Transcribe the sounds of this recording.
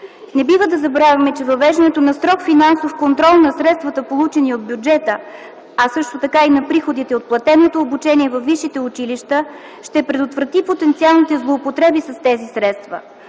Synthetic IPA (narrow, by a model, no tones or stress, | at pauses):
nɛbivəd̪ɐzɐbɾavʲɐmɛt͡ʃɛvɐvɛʒd̪ɐnɛt̪onɐst̪ɾɔkfinansofkont̪ɾɔlˠnɐsɾɛt̪st̪vɐt̪əpolˠut͡ʃɛniod̪̚bʲjud͡ʒɛt̪ə | ɐsɤʃt̪ot̪ɐkainɐpɾixod̪it̪ɛot̪̚plˠɐt̪ɛnot̪oːbut͡ʃɛniɛvɐfːiʃit̪ɛut͡ʃiliʃt̪ə | ʃt̪ɛpɾɛd̪ot̪vɾɐt̪ipot̪ɛnt̪sialˠnit̪ɛzlˠoːpot̪ɾɛbisɐst̪ɛzisɾɛt̪st̪və̰